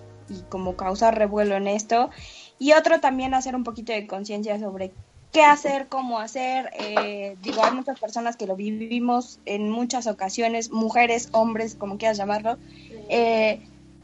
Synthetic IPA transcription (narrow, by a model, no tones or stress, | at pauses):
iko̞mo̞kawsaɾre̞βwe̞lo̞ene̞st̪o̞io̞t̪ɾo̞t̪ambje̞nase̞ɾumpo̞kit̪o̞ðe̞ko̞nsje̞ns̬jas̬o̞βɾe̞ | ke̞ase̞ɾko̞mo̞aseɾed̪iɣo̞ajmut͡ʃaspe̞ɾso̞naske̞lo̞βiββimo̞se̞nmut͡ʃaso̞kasjo̞ne̞smuxe̞ɾe̞so̞mbɾe̞sko̞mokjeɾasʝamaɾlo̞ | e